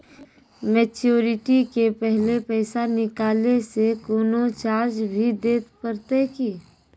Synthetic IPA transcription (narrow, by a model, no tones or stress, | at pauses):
mɛːt͡ʃoːɾɪʈikepɛɦlepɛːsanɪkaːlesekoːnot͡ʃaːɾd͡ʒbʱid̪eːt̪pəɾt̪ekiː